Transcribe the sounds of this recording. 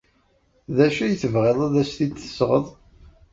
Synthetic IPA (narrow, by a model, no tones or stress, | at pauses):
ðæʃæjəθəvʁeðˤæðæsθit̪ːə̥sʁə̰ðˤ